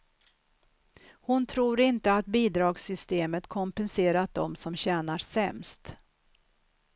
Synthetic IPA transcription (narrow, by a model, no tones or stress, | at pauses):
hʊnt̪ʰɾuːɾɪnt̪əat̪̚biːd̪ɾɑːɡsʏst̪eːmət̪kʰɔmpɛnseːɾat̪̚d̪ɔ̰msɔmɕɛːnaɾsɛmst̪